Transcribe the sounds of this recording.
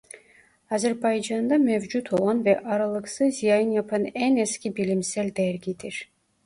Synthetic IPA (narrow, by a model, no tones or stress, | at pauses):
ɑzeɾbɑjd͡ʒɑnd̪ɑmøvd͡ʒut̪ʰolˠʁɑnvɛʔɑɾɑlˠɯqsɯzzijɑjɯnjɑpʰɯneneskʲibilʲimselʲd̪æɾɡʲit̪iɾ